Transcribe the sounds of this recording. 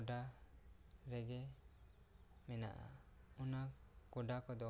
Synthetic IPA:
ɖa | ɾɛɡɛ | mɛna̰ʔa̰unakɔɖakɔd̪ɔ

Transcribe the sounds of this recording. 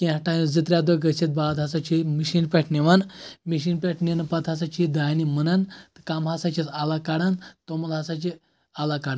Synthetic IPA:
kiʈajid͡zɨt̪ɾʲad̪oɡəset̪̚balat̪ɦasat͡ʃimiɕinpʲɛʈʰniʋanmiɕiːnpʲɛʈʰninpat̪ɦas̬at͡ʃid̪ajnimənant̪ɨ̥kamɦasat͡ʃisalakaɽant̪omɐlɦasat͡ʃi | alakaɽan

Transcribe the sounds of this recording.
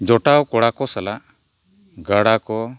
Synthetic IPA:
d͡ʒɔʈawkɔɽakɔsalaʔ | ɡaɽakɔ

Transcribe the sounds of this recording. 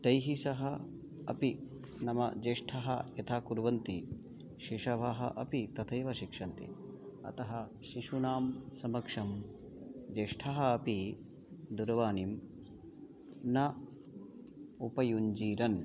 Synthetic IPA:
t̪ɐjɦisɐɦɐ | ɐ̰pi | nɐmɐ̰d͡ʒeːʂʈʰɐɦɐ̰jɐt̪ʰaːkuɾʋɐnt̪i | ʃiʂɐʋɐɦɐ̰ʔɐpit̪ɐt̪ʰɐjʋɐʃikʂɐnt̪ḭ | ɐ̰t̪ɐɦɐ | ʃiʃunaːmsɐmɐkʂɐm | d͡ʒeːʂʈʰɐɦɐɐpi | d̪uɾɐʋaːnim | nɐ | upɐjuɲd͡ʒiːɾɐn

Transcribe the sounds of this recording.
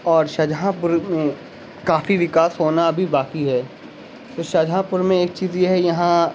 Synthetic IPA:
ɔːɾʃɐd͡ʒʱɦãpʊɾmẽ | kaːfiʋɪkaːsɦoːnaɐbʱibaːkiɦɛː | t̪oːʃɐd͡ʒʱɦãpʊɾmẽeːk̚t͡ʃiːzjeɦɛjɐɦã

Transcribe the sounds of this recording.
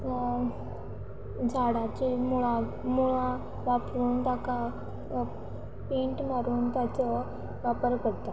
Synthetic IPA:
d͡zʱaɽat͡ɕimuɭa | muɭã | ʋapɾuːnt̪aka | pẽɳʈmaɾuːnt̪at͡sɔ | ʋapəɾkəɽt̪a

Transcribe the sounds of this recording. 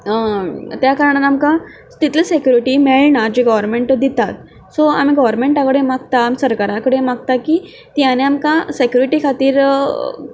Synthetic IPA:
t̪jakəɾəɳ̃anamkã | t̪it̪ʰləsekjuɾiʈiːmeɭɳad͡ʑiɡɔʋəɾmeɳʈd̪it̪at̪ | sɔa̰miɡɔʋəɾmeɳʈakəɽemaɡt̪aːmisəɾkaɾakəɽemaɡ̚t̪akiː | t̪janeamkãsekjuɾiʈiːkʰat̪iːɾ

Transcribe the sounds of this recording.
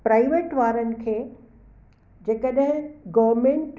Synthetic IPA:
pɾaːɪʋeːʈʋaːɾənɪ̆kʰeː | d͡ʑeːkəɗɦɪ̃ɡɔːʋɾmẽːɳʈ

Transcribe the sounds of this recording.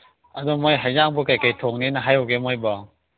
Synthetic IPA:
ɐdɔmojɦajzaŋbɔkajkajtʰoŋninɐɦajowɡemojbɔ

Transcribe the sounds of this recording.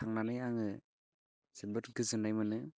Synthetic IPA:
aŋnanɯjaŋɯ | sebɯtɡɯzɯnajmɯnɯ

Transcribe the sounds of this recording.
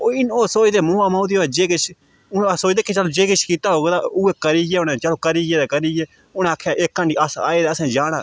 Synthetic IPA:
oːɪnoːsoːid̪eːmõːaːmaːd̪iːoːd͡ʒeːkɪt͡ʃʰ | ʊsoːid̪eːkeːt͡ʃaloːd͡ʒeːkɪt͡ʃʰkiːt̪aːɦoːɡd̪aːʊeːkəɾiːjeːʊnẽːt͡ʃəloːkəɾiːjeːd̪eːkəɾiːjeː | ʊnẽːaːkʰːjaːʔɪkːəɳɖiːəsa̰ːeːd̪eːəsɛ̃ːd͡ʒaːɽ̃aː

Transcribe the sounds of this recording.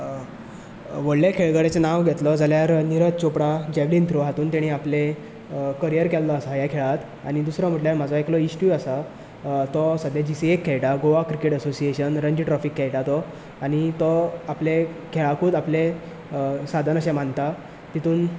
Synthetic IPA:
ʋəɽlekʰeɭɡəɽet͡senaʋɡʱɛt̪lɔd͡zaljaɾniɾət̪t͡ɕopɽad͡ʑɛʋlint̪ɾoɦat̪uːnt̪eɽ̃iaple | kəɾijəɾkɛlːɔəsajakʰeɭat̪ | aɽ̃id̪usɾam̤əʈljaɾm̤ad͡zɔeklɔisʈjuəsa | t̪ɔsəd̪ʱjad͡ʑisiekʰːɛɭʈaɡoʋakɾikeʈəsosieɕənɾəɲd͡ʑiʈɾɔfikːɛɭʈat̪ɔ | aɽ̃it̪ɔaplekʰeɭakʰuːd̪aple | sad̪ʱanəɕãm̤ant̪a | t̪it̪ʰuːn

